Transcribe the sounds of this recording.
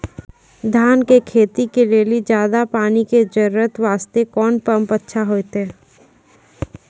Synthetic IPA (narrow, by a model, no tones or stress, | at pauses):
d̪ʱaːnkekʰeːt̪ikeɾeːlid͡ʒjaːd̪apaːniked͡ʒəɾuɾət̪ʋaːst̪ekɔːnpə̃mpətːʃʰaɦoːet̪ɦɛː